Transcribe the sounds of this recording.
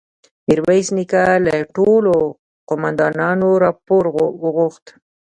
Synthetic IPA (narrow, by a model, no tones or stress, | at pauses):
mɪɾwajsnikalaʈolo | qʊmand̪ɑnɑnoɾɑpoɾwəɣoxt̪